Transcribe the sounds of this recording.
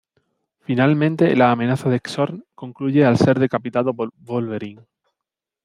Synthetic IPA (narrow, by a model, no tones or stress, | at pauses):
finalmẽnt̪e̞laːmenaθaðeksoɾŋko̞ŋkluʝealse̞ɾðe̞kapit̪aðobolβe̞ɾiŋ